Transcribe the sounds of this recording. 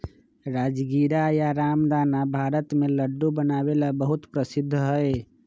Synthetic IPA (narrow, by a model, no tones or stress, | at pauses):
ɾaːd͡ʒɡiːɾajaɾaːmd̪ʱaːnabʱaːɾət̪mẽləɖːubənaːwelabəɦʊt̪pɾəsɪd̪ʱːɦɛe